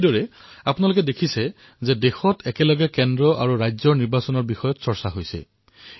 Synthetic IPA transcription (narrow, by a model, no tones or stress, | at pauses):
dɔɹɛapunalʊk̬ɛdekʰisɛ | zɛdexɔtʰɛkɛlɔɡɛkɛndɹɔʔa̰ɹuɹajzɔniɹbasɔnɔɹbixɔjɔtsɔɹsaɦojsɛ̰